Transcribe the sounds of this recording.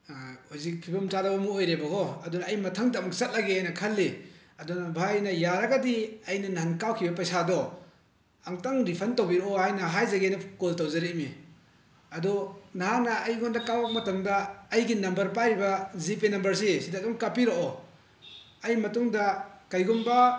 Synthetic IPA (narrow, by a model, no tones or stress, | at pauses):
huzik̚pʰibɐmt͡ʃadɐbɐmuojɾebɐɡɔɐdunɐːjmɐtʰɐŋdamsɐt̚lɐɡeajnɐkʰɐlːi | ɐdɔnɐbʱajnɐjaɾɐɡadiɐjnɐnaɦankawkʰibɐpɐjsadɔ | aŋtaŋɾipʰɐntowbiɾoʔɔajnɐɦajzɐɡejnɐkoltowzɐɾeʔmi | ɐdɔnɦanɐʔːjɡɔndɐkawɐk̚mɐtɐŋdɐːjɡinɐmbɐɾpaɾibɐzipenɐmbɐɾsisidadɔŋkapiɾoʔɔ | ɐjmɐtuŋdɐkɐjɡumbɐ